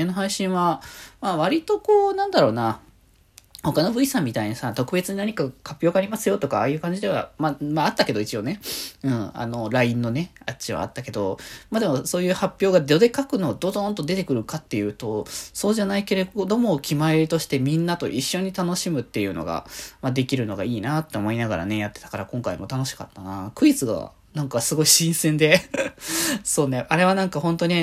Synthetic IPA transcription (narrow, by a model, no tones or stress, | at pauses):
anoɦaiɕĩɰ̃βamaːβ̞aɾʲit̪o̞ko̞ːnãnd̪aɾo̞ːna | ho̞kano̞bɯ̟isãmʲːit̪aiɲ̟asat̪o̞kɯ̟be̞t͡sɨɲ̟inaɲ̟ikahapʲːo̞ːɡaːɾʲimasɨjo̞t̪o̞kaaːjɯ̟ːkãɲ̟d͡ʑid̪e̞βa̰mamaat̪ːake̞d̪o̞it͡ɕio̞ne̞ɯ̟̃ɴa̰no̞ɾaĩnːo̞ne̞at͡ɕiβa̰a̰t̪ːake̞d̪o̞̰maːd̪e̞mo̞so̞ːjɯ̟ːhapʲːjo̞ːɡad̪o̞d̪e̞kakɯ̟no̞d̪o̞zõ̞nt̪o̞d̪e̞t̪e̞kɯ̟ɾɯ̟kat̪ːe̞jɯ̟ːt̪o̞so̞ːʑanaike̞ɾe̞ɡod̪o̞mo̞kʲʰimaeɾʲit̪o̞ɕi̥t̪e̞mʲĩnːat̪o̞̰ʔiɕːo̞ɲ̟it̪ano̞ɕimɯ̟t̪ːe̞jɯ̟no̞̰ɡa̰mad̪e̞kʲiɾɯ̟no̞ɡaiːnat̪ːe̞omo̞inaɡa̰ɾa̰ne̞jat̪ːe̞̥t̪ḁkaɾakõŋkaimo̞t̪ano̞ɕi̥ka̰t̪ːanakɯ̟it͡sɨɡa̰ | nãŋkasɨɡo̞iɕĩɰ̃sẽ̞nd̪e̞ | so̞ːneaɾe̞β̞anãŋkahõ̞nt̪oɲ̟i